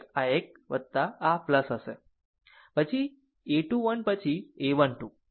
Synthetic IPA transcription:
aek̚ | ʋəd̪t̪aapləsəse | pət͡ɕʰi | eʈuʋəɳpət͡ɕʰieʋənʈu

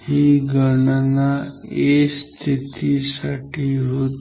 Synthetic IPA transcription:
hiɡəɳənaest̪ʰit̪isaʈʰiɦot̪

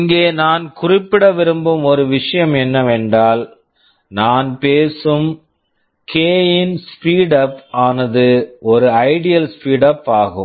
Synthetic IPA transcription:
ŋɡeːnaːnkʊrɪpːɪɽɐʋɪɾɯmbɯmɔɾɯʋɪʂɐjɐmɛnːɐʋeːɳɖaːl | naːnpeːsɯm | kʰeːjɪnspiːɽɐpaːnɐðɯʔɔɾɯɐɪɽɪjɐlspiːɽɐpːaːɣɯ̰m

